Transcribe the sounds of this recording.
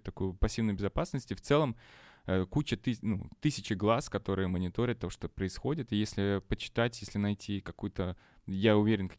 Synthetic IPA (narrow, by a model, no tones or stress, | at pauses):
t̪ɐkujʊpɐsʲːivnʊjʊbʲɪzɐpasnəsʲtʲɪft̪sɛlˠəməkut͡ɕət̪ɨnṵt̪ɨsʲɪt͡ɕɪɡlˠaskɐt̪o̞ɾɨjəmənʲɪt̪o̞ɾʲɪt̪ːoʂt̪opɾəɪsxo̞dʲɪt̪ɨjesʲlʲɪpət͡ɕɪ̥t̪atʲjesʲlʲɪnɐjtʲʰikɐkujʊt̪ə | jaʊvʲeɾʲɪnkɐ